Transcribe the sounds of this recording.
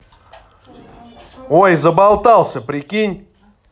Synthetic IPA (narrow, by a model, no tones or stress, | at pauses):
ojzəbalˠt̪alˠsʲəpɾʲɪkʲinʲ